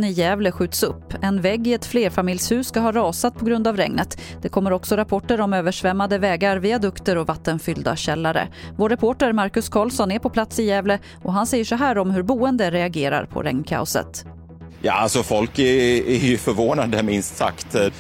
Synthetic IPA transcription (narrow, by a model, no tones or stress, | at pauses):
nɪjɛːvləɧʉ̟ːt̪sɵpːɛnvɛɡːɪɛt̪fleːɾfamɪljshʉ̟ːsːkaɦɑːɾɑːsat̪̚pʰɔɡɾɵnd̪avɾɛ̰ŋnət̪d̪̥ɛkʰɔmːəɾɔksɔɾapʰɔʈːəɾɔmøːvəʂvɛmːad̪əvɛːɡaɾvɪad̪ɵkt̪əɾɔvat̪ːənfʏld̪a̰ɕɛlːaɾə̰voːɾːɛpʰoːʈəɾmaɾkɵskʰɑːlsɔnɛɾpʰɔpʰlat̪sɪjɛːvlə | ɔɦansɛjːəʂɔɦæːɾɔmhɵɾbuːənd̪əɾɛaɡeːɾa̰ɾpʰɔ̰ɾɛ̰ŋnkʰa̰ʊsə̰t̪ | jɑ̰ːalsɔfɔlkɛæɾjɵfœɾvoːnad̪əmɪnst̪sa̰kt̪